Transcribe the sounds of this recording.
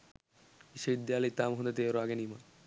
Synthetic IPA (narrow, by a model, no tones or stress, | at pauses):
iʃeid̪ːjalit̪ːamɦund̪et̪eoɾoaɡenima